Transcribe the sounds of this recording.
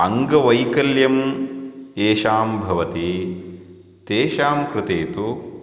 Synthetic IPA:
ɐŋɡɐʋɐjkɐljɐm | eːʃaːmbʱɐʋɐt̪i | t̪eːʃaːmkɾɪt̪eːt̪u

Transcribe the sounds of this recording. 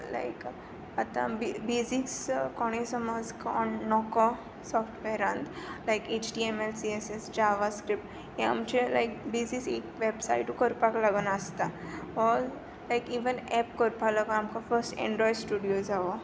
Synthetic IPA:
la̰ɪk | at̪ã̰bbizikskɔɽ̃esəməd͡zkɔnːɔko | sɔfʈʋɛɾãnd̪lajket͡ʃʈiɛmelsiesesd͡ʒaʋaskɾip̚ʈ | jẽa̰mt͡ʃela̰jkbiziksḛkʋebsa̰iʈukəɾpaklaɡənaəst̪a | ɔɾ | lajkiʋənɛpkəɾpalaɡamkafəɾsʈɛ̰̃ɳɖɾɔjɖsʈuɖijod͡zaʋo

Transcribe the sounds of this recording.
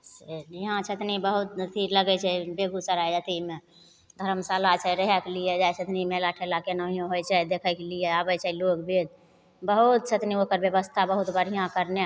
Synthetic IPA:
seɦãt͡ʃʰət̪nibəɦut̪̚t̪ʰiɾləɡɛt͡ʃʰɛbeɡusəɾajd͡ʒət̪ime | d̪ʱəɾəmsalat͡ʃʰɛɾəɦɛklijɛd͡ʒajsət̪nimɛlaʈʰelakenəɦijõɦojt͡ʃʰɛd̪ekʰəkelijeabɛt͡ʃʰɛilokbʱed̪̚ | bəɦut̪̚sʰət̪niokəɾbjəβəst̪ʰabəɦut̪bʱəɾ̤ijãkəɾne

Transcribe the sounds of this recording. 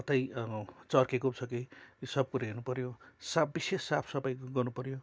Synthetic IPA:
ʌt̪ʌjt͡sʌrkekopt͡sʰʌkisʌb̚kuɾaɦernupʌɾjosabisesːapʰsʌbʌjɡʌrnupʌɾjo

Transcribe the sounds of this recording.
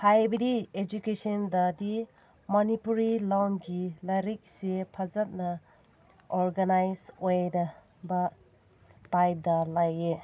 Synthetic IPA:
hajbɐdied͡ʒukesɔndɐdi | mɐnipuɾilaŋɡilɐɾik̚sepʰɐzɐt̚nɐ | oɾɡɐnajzojdɐ | bɐ | tajp̚dɐlaje

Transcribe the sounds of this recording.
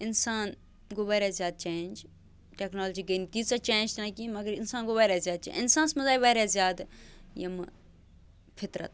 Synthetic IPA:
ɪnsaːn | ɡoʋaːɾazjaːd̪̚t͡ʃẽːnd͡ʒ | ʈeːknoːld͡ʒiːɡɐnt̪iːt͡saːt͡ʃẽːnd͡ʒt̪ɐnãkiːmɐɡəɾɪnsaːnɡoʋaːɾaːzʲjaːd̪̚t͡ʃḛ̃ɪnsaːnsmɐzaːiʋaːɾaːzʲjaːd̪jɐm | fʰɪt̪ɾɐ̰t̪

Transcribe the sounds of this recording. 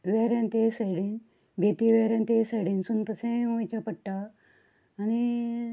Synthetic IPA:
ʋeɾãnt̪esejɽin | bʱet̪iʋeɾãnt̪eseɽinsunt̪ɐsẽũt͡ɕapəʈːaː | ni

